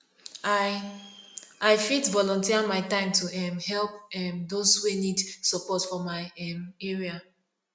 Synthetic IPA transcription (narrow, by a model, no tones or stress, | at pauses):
aɪfitvɔlɔ̃ntiimaɪtãɪ̃mtʰuɛmhɛlp̚ɛmdoswenidsɔpɔtfɔmaɪɛmɛɹia